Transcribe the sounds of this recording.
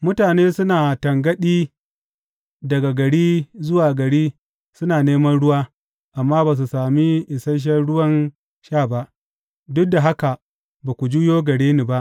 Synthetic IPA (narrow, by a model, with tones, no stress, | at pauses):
mʊ˦taː˨neː˦sʊ˦naː˨tɐ˨ŋɡɐ˦ɗiː˦ | dɐ˨ɡa˨ɡɐ˨ɽiː˦zʊ˦waː˨ɡɐ˨ɽiː˦ | sʊ˦naː˨neː˦mɐ˦nɽʊ˦waː˦ | ʔa˨mːaː˦baː˨s̬u˨saː˨mi˦ʔɪ˨sɐ˦ʃ̬ɐ˦ɽʊ˦wɐ˦n | ʃaː˦˨ba˦ʔ | dʊ˦da˨ɦa˦ka˨ | baː˨kʷu˨d͡ʒu˦joː˦ɡɐ˨ɽeː˦ni˨ba˦ʔ